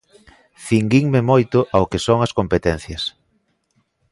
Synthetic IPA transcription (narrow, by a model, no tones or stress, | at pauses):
θiŋɡiŋmemojt̪ʊʔaokesoŋɐskompet̪ɛn̟θjɐs